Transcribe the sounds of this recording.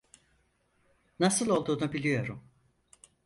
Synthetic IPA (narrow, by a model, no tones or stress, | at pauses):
nasɯlˠo̞lˠd̪uːnubilʲijo̞ɾum